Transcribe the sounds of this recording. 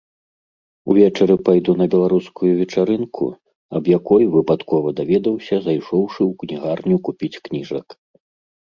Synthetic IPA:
ṵvʲɛt͡ʂɐɾɨpajd̪unɐbʲɛlˠaɾuskujuvʲɛt͡ʂaɾɨnkʰṵ | ɐ̰bjakɔjvɨpat̪kɔvɐd̪avʲɛd̪ɐwsʲɐzajʂɔwʂɨwknʲiɣarnʲukupʲit͡sʲknʲiʐɐk

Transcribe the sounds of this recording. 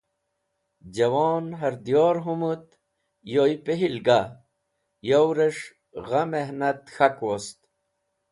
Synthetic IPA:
d͡ʑɐwoːnɦɐɾd̪joːɾɦumut̪ | jojpeɦilɡa | jowɾeʂ | ɣameɦnɐt̪xakwost̪

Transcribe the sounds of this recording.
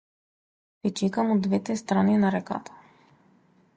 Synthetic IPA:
pit͡ʃɛkamod̪vɛt̪ɛst̪ɾaninaɾɛka̰t̪ḁ

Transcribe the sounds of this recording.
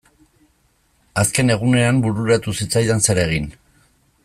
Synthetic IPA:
aske̞ne̞ɣ̞une̞ambuɾuɾat̪usit͡sajðense̞ɾe̞ɣ̞in

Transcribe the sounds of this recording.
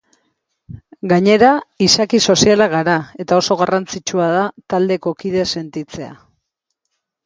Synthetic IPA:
ɡaɲe̞ɾaisakiso̞sialaɣaɾae̞t̪ao̞so̞ɣarant͡sit͡ʃuaðat̪ald̪e̞ko̞kiðe̞se̞nt̪it͡se̞a̰

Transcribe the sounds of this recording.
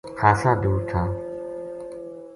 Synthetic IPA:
kʰaːsaːd̪uːɾt̪ʰãː

